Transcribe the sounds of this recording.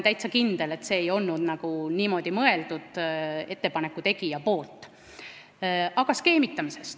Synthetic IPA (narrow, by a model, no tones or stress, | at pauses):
nt̪æjt̪sɑkind̪̥e̞le̞t̪ːˑse̞ːjo̞lnnud̪̥nɑɡ̥uniːmo̞d̪̥imɤe̞ld̪̥ud̪̥e̞t̪ːe̞pɑne̞kːˑut̪e̞ɡ̥ijɑpo̞ːlt̪ːˑ | ɑɡ̥ɑske̞ːmit̪ːˑɑmise̞st̪